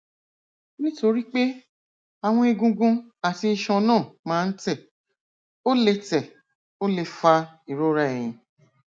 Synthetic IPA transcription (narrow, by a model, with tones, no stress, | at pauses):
nĩ˦to˧ɾi˦k͡pe˦ | a˨w̃ɔ̃˧e˧ɡũ˧ɡũ˧a˨ti˧ʃɔ̃˧nãː˦˨mãː˦n̩˦tɛ˦˨ | o˦le˧tɛ˨ | o˦le˧fa˧i˨ɾo˦ɾa˦e˨j̃ĩ˧